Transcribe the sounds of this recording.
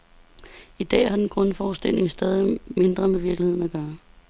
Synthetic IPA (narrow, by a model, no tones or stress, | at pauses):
id̥ɛ̰ːhɑ̈d̥enɡ̥ʁɔ̽nfɒːsd̥el̰e̝ŋsd̥ɛːð̞ˠime̝nd̥ʁɐmeʋiɐklihe̝ðˠn̩æɡ̥ɶːɐ